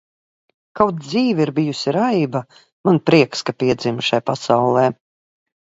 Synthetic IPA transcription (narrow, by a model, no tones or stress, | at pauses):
kawt̪̚d̪ziːvʲiɾbijusʲiɾajba | manpɾiɛkskapiɛd̪zimʃajpasawlˠɛː